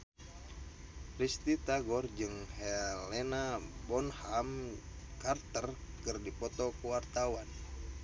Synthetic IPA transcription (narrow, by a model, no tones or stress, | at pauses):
pɾist̪it̪aɡɔrd͡ʒɨŋhɛlɛnabɔnhamkart̪ərkərdipɔt̪ɔkuwart̪awan